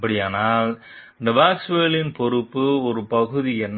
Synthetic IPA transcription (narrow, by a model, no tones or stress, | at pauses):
pːɐɽɪjaːnaːl | ɪnd̪ɐʋaːseːlɪnpɔɾɯpːɯɔɾɯpɐɣɯðiɛnː